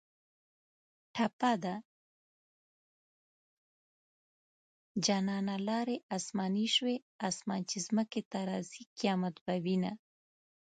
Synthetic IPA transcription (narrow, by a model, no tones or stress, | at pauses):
ʈʰapad̪a | d͡ʒɑnɑnalɑɾeʔɑsmɑniʃwe | ɑsmɑnt͡ʃezməket̪aɾɑzikjɑmat̪̚bawina